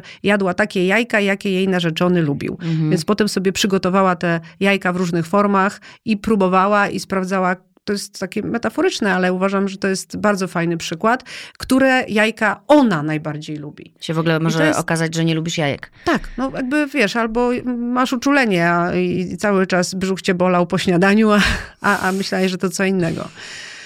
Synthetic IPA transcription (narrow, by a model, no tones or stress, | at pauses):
jad̪wat̪akʲɛjajkajakʲɛjejnaʐɛt͡ʂɔnɘlubʲḭwvjɛnspɔt̪ɛmsɔbʲjɛpʂɘɡɔt̪ɔvawat̪ɛjajkavɾuʐnɘxfɔɾmaxipɾubɔvawaispɾavdzawa | t̪ɔjɛst̪ːakʲɛmɛt̪afɔɾɘt͡ʂnɛalɛuvaʐamʐɛt̪ɔjɛst̪baɾdzɔfajnɘpʂɘkwat̪kt̪uɾɛjajkaɔnanajbaɾd͡ʑejlubʲḭt͡ɕɛvɔɡlɛmɔʐɛɔ̰kazad͡ʑʐɛɲɛlubʲiʂjajɛ̰kt̪aknɔjaɡ̚bɘvʲjɛʂalbɔmaʂut͡ʂulɛɲɛait̪sawɘt͡ʂasbʐuxt͡ɕɛbɔlawpɔɕɲad̪aɲuaaʔamɘɕlajaʐɛt̪ɔt̪sɔinːɛɡɔ̰